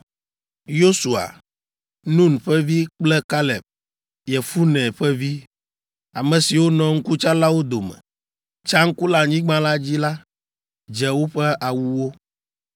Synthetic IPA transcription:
jo˦su˨a̰˨ | nũ˦nɸɛ˦vi˦k͡plɛ˦ka˦lɛ˨p̚ | jɛ˨fu˦nɛ̃˨ɸɛ˦vi˦ | a˨mɛ̃˨si˨wo˦nɔ̃˨ŋ̩˦ku˦t͡ʃa˦la˦wo˦d̪o˨mɛ̰̃˨ | t͡ʃa˦ŋ̩˦ku˦la˨ɲĩ˦ɡ͡bã˦la˦d͡ʑi˦la˦ | d͡ʒɛ˨wo˦ɸɛ˦ʔa˨wu˦wo˦

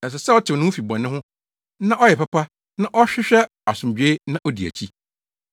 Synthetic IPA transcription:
nã˨s̬ɛ˨sɛ˦ɔ˦tʰɪ˨nʊ̃˦fi˨bɔ̃˨nɪ̃˦ɦʊ̃˦ | nã˦ʔɔ˦jɛ˨pa˦pʰa˦ | nã˦ʔɔ˦ɕᶣɪ˦ɕᶣɛ˦ | a˨sʊ̃˨md͡ʑᶣe˦nã˦ʔɔ˦di˨æ̰˨t͡ɕʰi˦

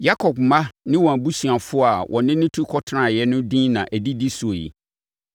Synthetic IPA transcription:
ja˦kʰɔ˨b̚mã˦nɪ̃˦wɔ̃˨æ˨bu˦si˨a˨fʊ˦a˨wʔɔ̰̃˨nɪ̃˦nɪ̃˦tʰu˦kʰɔ˦tʰã˦˨jɛ˦nʊ̃˦dĩ˦nã̰˨ʔæ˨di˦di˦sʊ˨o˨jḭ˨

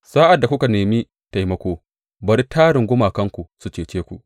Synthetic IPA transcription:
sa˦ʔa˨dːa˨kʷʊ˦ka˨neː˨miː˦ | ta˨jmɐ˦kʷoː˦ | bɐ˨ɾi˦tʰaː˦ɽɪ˨ŋɡʷʊ˦maː˨kɐ˦ŋkʷu˨su˦t͡ʃeː˨t͡ʃeː˦kʷu˨ʔ

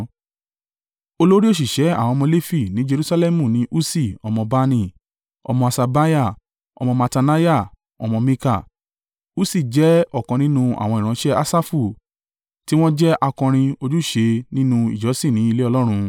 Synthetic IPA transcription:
o˧lo˦ɾi˦o˦˨ʃ̬i˨ʃɛ˨˦a̰˦˨w̃ɔ̃˧mɔ̃˧le˦fi˦˨nĩ˨˦d͡ʒe˧ɾu˧sa˧lɛ˦mũ˦˨nĩ˨˦ʔu˦si˦˨ɔ˧mɔ̃˧ba˦nĩ˧˨ | ɔ̰˧mɔ̃˧a˧˨sa˧ba˦ja˦˨ | ɔ̰˧mɔ̃˧ma˧ta˧na˦ja˦˨ | ɔ̰˧mɔ̃˧mĩ˧ka˦˨ | u˦si˦˨d͡ʒɛ˦ɔ˦˨kã˨˧nĩ˦nũ˦a̰˨w̃ɔ̃˧i˨ɾ̃ã˧˦ʃɛ˦a˦sa˦fu˦˨ | ti˦w̃ɔ̃˦d͡ʒɛ˦ʔa˧kɔ̃˧ɾ̃ĩ˧o˧d͡ʒu˦ʃe˧nĩ˦nũ˧ḭ˨d͡ʒɔ˨˦sĩ˦˨nĩ˨˦i˧le˦ɔ˧lɔ˦ɾ̃ũ˧

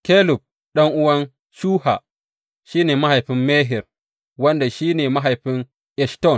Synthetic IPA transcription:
ke˦lu˨p̚ | ɗɐ˦ŋʔu˦wa˦n | ʃu˦ha̰˨ | ʃiː˦ne˨ma˦ha˨jɸi˦nme˦ɦi˨ɾ | wɐ˦nda˨ʃi˦ne˨ma˦ɦa˨jɸi˦n | ʔɛ˨ʃto˦˨n

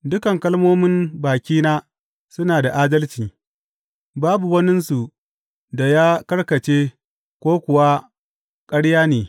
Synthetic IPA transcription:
dʊ˦kɐ˨ŋkɐ˦lmoː˦mɪ˦mbaː˨kʲiː˦naː˦ | sʊ˦naː˨da˨ʔaː˦dɐ˦lt͡ʃiː˨ | baː˦bu˨wɐ˦nɪ˦nsu˨ | da˨jaː˦kɐ˦ɽkɐ˨t͡ʃeː˦ | kʷoː˦kʷʊ˨wa˦ | kʼɐ˦ɽjaː˦neː˨

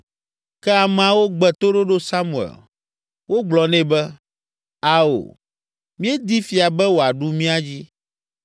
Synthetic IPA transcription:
kɛ˦a˨mɛ˨a˨wo˦ɡ͡bɛ˨t̪o˦ɖo˦ɖo˦sa˦mũ˨ɛ̰˨l | wo˦ɡ͡blɔ˨nɛ̃˦bɛ˦ | a˨o̰˨ | mĩ˦e˦d̪i˦fi˨a˨bɛ˦wo˨a˨ɖu˦mĩ˦a˦d͡ʑi˦

